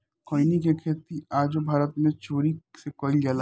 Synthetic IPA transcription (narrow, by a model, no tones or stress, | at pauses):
koːinikekʰeːt̪iaːd͡ʒobʱaːɾət̪mẽt͡ʃoːɾisekɔːɪlɡala